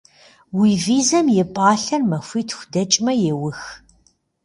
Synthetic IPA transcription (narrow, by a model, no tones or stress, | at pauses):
wiːviːzɐmjɛpʼaːɬɐrmɐxʷiːtʰxʷdɐt͡ʃʼmɐjɛwʊx